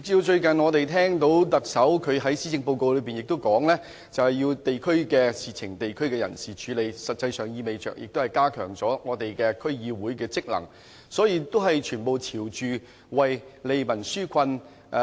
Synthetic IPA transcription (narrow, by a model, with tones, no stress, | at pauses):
ɪ˨k̚i˧wt͡ʃɵ˧ɥkɐ˨˩nŋɔː˨˧t̪e˨jt̪ʰɛː˥ŋt̪o˨˥wt̪ɐ˨k̚sɐ˨˥wkʰɵ˨˧ɦɐ˨˥jsiː˥t͡sɪ˧ŋpo˧wko˨˧wlɵ˨˧ɥpiː˨njɪ˨k̚t̪o˥wkɔː˨˥ŋlɛː˥ | t͡sɐ˨whɐ˨jiː˧wt̪e˨jkʰɵ˥ɥkɛː˧siː˨t͡sʰɪ˨˩ŋt̪e˨jkʰɵ˥ɥkɛː˧jɐ̰˨˩nsiː˨t͡ʃʰyː˨˧le˨˧jsɐ˨t̚t͡sɐ˧jsœː˨˩ŋjiː˧me˨jt͡sœː˨k̚jʔɪ˨k̚t̪o˥hɐ˨˩jkaː˥kʰœ̰ː˨˩ŋt͡sɔː˨˥ŋɔː˨˧t̪e˨jkɛː˧kʰɵ˥ɥjiː˨˧wuː˨˥jkɛː˧t͡sɪ˥k̚lɐ̰˨˩ŋ | sɔː˨˥jiː˧t̪o˥wɦɐ˨jt͡ʃʰyː˨˩npo˨˧wtʰiː˨˩wt͡ʃyː˨ | wɐ˨jle˨˧jmɐ˨˩nsyː˥kʰɐ˧n